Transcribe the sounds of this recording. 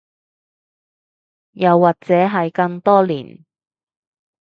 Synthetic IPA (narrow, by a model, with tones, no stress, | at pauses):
jɐ˨wːaː˨k̚t͡sɛː˨˥ɦɐ˨jkɐ˧ŋt̪ɔː˥lḭː˨˩n